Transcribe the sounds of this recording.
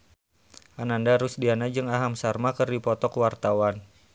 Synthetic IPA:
ʔanandaɾusdianad͡ʒɨŋaɦamsarmakərdipɔt̪ɔkwart̪awan

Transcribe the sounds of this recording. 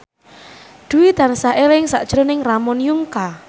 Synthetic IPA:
d̪̥ṳwid̪̥a̤nsaʔelɪŋsa̰ʔd̥ʒ̥ɾonɪŋramɔnjuŋka

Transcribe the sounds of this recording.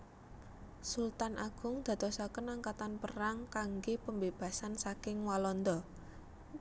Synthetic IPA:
sult̪anʔaɡ̥ʊ̤ŋd̪̥a̤t̪ɔsakənaŋkat̪anpəɾaŋkaŋɡepəmbeb̥a̤sansakɪŋwalɔnd̪ɔ

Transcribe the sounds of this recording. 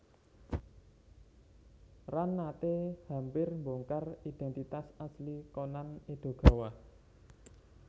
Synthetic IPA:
ranːat̪ehampɪrmboŋkarid̪̥ɛ̤nt̪it̪asaslikonaned̪̥o̤ɡ̥a̤wa

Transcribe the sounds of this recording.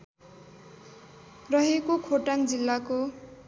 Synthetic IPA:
rʌɦekokʰoʈaŋd͡zilːako

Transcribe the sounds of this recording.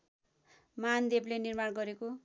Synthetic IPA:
mand̪eblenirmaɽɡʌɾeko

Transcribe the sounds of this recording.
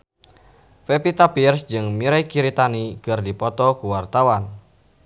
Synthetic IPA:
fepit̪apirsd͡ʒɨŋmiɾajkiɾit̪anikɨrdipɔt̪ɔkuwart̪awan

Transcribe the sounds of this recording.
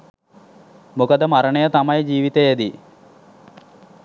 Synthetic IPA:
mukəd̪əmaɾəɳəjət̪amajd͡ʒiːʋit̪ejed̪i

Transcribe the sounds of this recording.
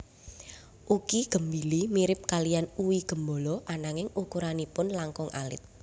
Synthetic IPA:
ʔukiɡ̥ə̤mbilimiɾɪp̚kalijanuwiɡ̥ə̤mbo̤lɔʔanaŋɪŋukuɾanipʊnlaŋkʊŋʔa̰lɪ̰t̪̚

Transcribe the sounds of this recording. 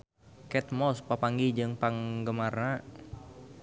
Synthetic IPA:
kɛt̪̚mɔspapaŋɡid͡ʒɨŋpaŋɡəmarna

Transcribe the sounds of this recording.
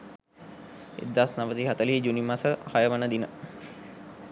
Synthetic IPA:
ḛd̪ːasnaʋət̪iɦat̪əlid͡ʒunimasəhajəʋanəd̪inə

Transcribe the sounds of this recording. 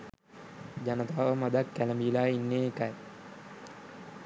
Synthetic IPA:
d͡ʒanət̪aːʋəmad̪akːæləmiːlaːinːeekaj

